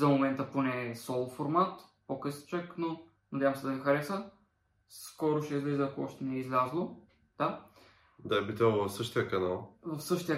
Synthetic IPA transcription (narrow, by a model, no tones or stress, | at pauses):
zɐmomɛnt̪əponɛsɔlˠfoɾmat̪pokɤsə̥t͡ʃəkno | nɐd̪ʲjavɐmsɛd̪ɐixɐɾɛsə | skɔɾʊʃɛizlizəːkoɔʃt̪ɛnɛizlʲazlˠo | d̪̥a | d̪ajbit̪ɛvfsɤʃt̪ijəkɐnalˠvɐfsɤʃt̪ijə